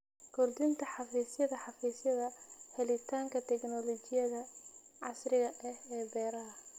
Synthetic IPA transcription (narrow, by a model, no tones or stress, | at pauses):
kʰʊrd̪ɪnt̪ʰɐħɑfiːsjɐðɐħɑfiːsjɐðɐhɛlɪt̪ʰaːŋkʰɐt̪ʰɛknɔlɔt͡ʃɪjɐðɐʕɑsrɪɣɐʔɛhɛːbɛːɾɐɦɐ